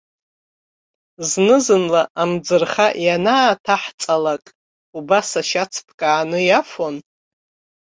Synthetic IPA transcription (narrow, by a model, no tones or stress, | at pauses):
znɨzɨnlaʔamd͡zɨrχaʔjanaːtʰaħt͡sʼalakʼ | ubasaʃat͡sʰpʰkʼaːnɨjafon